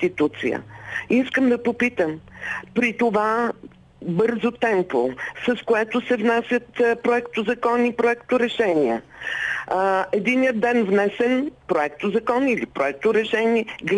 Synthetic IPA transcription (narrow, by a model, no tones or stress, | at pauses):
t̪it̪ut̪sḭjə̰iskəmd̪ɐpopit̪əmpɾit̪ova | bɤɾzot̪ɛmposɐskoɛt̪ʊsɛvnasʲjət̪pɾoɛkt̪ʊzɐkɔnipɾoɛkt̪oɾɛʃɛniə̰ | ɛd̪inijəd̪ɛnvnɛsɛnpɾoɛk̚t̪ozɐkɔnilipɾoɛk̚t̪ʊɾɛʃɛniɛɡl